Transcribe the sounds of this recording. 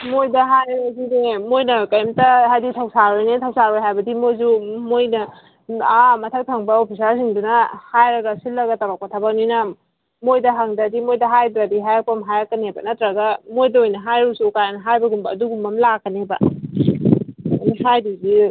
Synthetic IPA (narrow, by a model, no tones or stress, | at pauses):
mojdɐɦajnazinemojnɐkɐjmtɐɦajditʰawsaɾojnitʰawsaɾojɦajbɐdimojzumojnɐ | amɐtʰaw̚tʰaŋbɐopʰisaɾsiŋdunɐhajɾɐɡɐsilːɐɡɐtɐbak̚pɐtʰabak̚nijnɐ | mojdɐɦaŋdɐdimojdɐɦajbɾadiɦajak̚pɐmɦajakːɐnebɐ̰nɐtɾɐɡɐmojdɐojnɐɦajɾusukajanɐɦajbɐɡumbɐːduɡumbɐmlakːɐnebɐ | nihajdizi